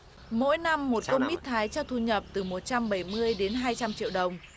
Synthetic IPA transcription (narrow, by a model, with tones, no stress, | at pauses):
mo̰˧˥jna˧mːo˨˩t̚kə˧mi˦˥t̚t̪ʰaː˨˦jt͡ɕɔ˧wt̪ʰu˧ɲə˨˩p̚t̪ɨ˨˩mo˨˩t̚t͡ɕa˧mɓa˧˩jmɨ˧əjɗe˨˦nɦaː˧jt͡ɕa˧mt͡ɕḭ˧˨wɗə˨˩wŋ͡m